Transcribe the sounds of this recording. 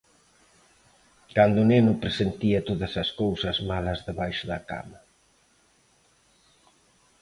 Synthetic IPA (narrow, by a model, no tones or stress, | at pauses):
kand̪ʊːnenʊpɾesent̪iɐt̪oðɐsɐskowsɐzmalɐzðeβajʃʊðɐka̰mɐ